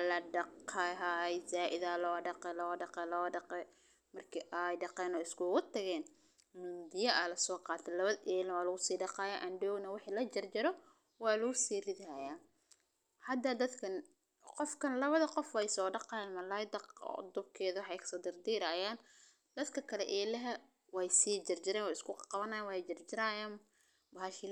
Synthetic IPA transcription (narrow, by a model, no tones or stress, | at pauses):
lɐɖɑqʰaɦajzaːʔɪðaːlɔːɖɑqɛlɔːɖɑqɛlɔːɖɑqɛ | mɐrkʰiːʔajɖɑqɛːnɔːɪskʰʊɣʊt̪ʰɐɣɛːn | mʊd̪ɪjɐʔɐlɐsɔːqɑːt̪ʰɛlɐβɐðʔɛːlnɐwɑːlʊɣʊsiːɖɑqɑːjaːʔɐnɖɔːɡnɐwɪħiːlɐd͡ʒɐrd͡ʒɐɾɔ | wɑːlʊɣʊsiːrɪðaːjaː | hɐd̪ad̪ɐd̪kʰɐn | qɔfkʰɐnlɐβɐðɐqɔfwɛjsɔːɖɑqɑːjaːnmɐlaːjd̪ɐqɔ̰d̪ʊbkʰɛːðɐwɑħɑjkʰsɔːd̪ɪrd̪iːɾaːjaːn | d̪̥ɐd̪kʰɐkʰɐlɛʔɛːlɐɦɐ | wɑjsiːd͡ʒɐrd͡ʒɪɾɛːnwɛɪskʰʊqɑβɐnaːjaːnwɑd͡ʒɐrd͡ʒɪɾaːjaːn | baʃɪ